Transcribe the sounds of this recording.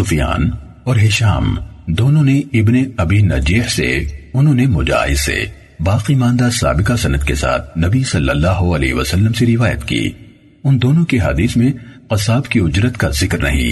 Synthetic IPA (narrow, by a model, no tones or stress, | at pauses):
sʊfja̰ːn | ɔːɾɦɪʃa̰ːmd̪oːnõneɪbneɐbinɐd͡ʒiːhsḛʊnɦõnemʊd͡ʒa̰ːɦɪz̥sḛ | baːqimãːnd̪asa̰ːbɪkasɐnəd̪kesa̰ːt̪ʰnɐbisɐlːəlːaːɦoɐlḛːɦʋɐsəlːəmseɾɪʋaːjə̰t̪kḭː | ʊnd̪oːnõkeɦɐ̰d̪iːsmẽqɐsaːbkiʊd͡ʒɾət̪kazɪkɾnɐ̰ɦḭ̃